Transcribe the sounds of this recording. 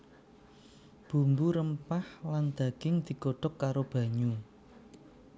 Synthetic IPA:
b̥ṳmbuɾəmpahland̪̥a̤ɡ̥ɪŋd̪̥i̤ɡoɖ̥ɔ̤kːaɾob̥a̤ɲu

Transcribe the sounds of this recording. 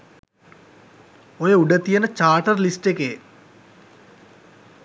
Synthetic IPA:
ojəuɖət̪ijənət͡ʃaːʈərlisʈeke

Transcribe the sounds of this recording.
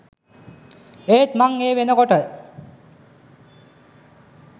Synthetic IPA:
eːt̪maŋeːʋenəkoʈə

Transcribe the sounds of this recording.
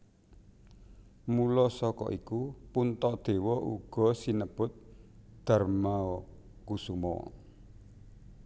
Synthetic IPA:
mulɔsɔkɔ̰ʔikupunt̪ɔʔd̪̥ewɔʔṵɡ̥ɔ̤sinəb̥ʊt̪̚d̪̥a̤rmaɔ | kusumɔ̰

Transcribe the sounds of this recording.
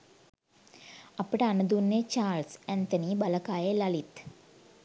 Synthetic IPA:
apəʈəanəd̪unːet͡ʃaːlsænt̪əniːbaləkaːjelalit̪

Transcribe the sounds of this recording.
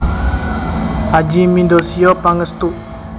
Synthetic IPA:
ad͡ʒimind̪osijɔpaŋəst̪uʔ

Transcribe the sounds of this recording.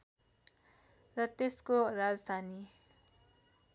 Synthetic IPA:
rʌt̪eskorad͡zʌd̪ʱani

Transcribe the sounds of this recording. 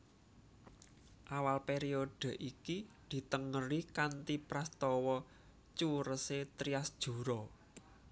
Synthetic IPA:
ʔawalpeɾiod̪̥ə̤ʔikid̪̥i̤t̪əŋəɾikant̪ipɾast̪ɔwɔ | t͡ʃuɾəset̪ɾiasd̥ʒ̥ṳɾɔ

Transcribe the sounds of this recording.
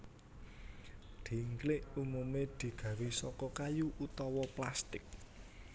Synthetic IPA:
d̪̥i̤ŋklɪʔumumed̪̥i̤ɡ̥ä̤ɾisɔkɔkajuʔut̪ɔwɔplast̪ɪk̚

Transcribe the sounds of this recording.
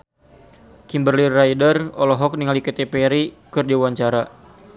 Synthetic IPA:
kimbərlirajdərɔlɔɦɔk̚niŋaliket̪epeɾikɨrd͡ʒiawaɲt͡ʃaɾa

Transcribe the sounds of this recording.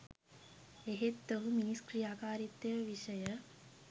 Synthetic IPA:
eɦet̪ːəɦuminiskriaːkaːɾit̪ːejəʋiʃəjə

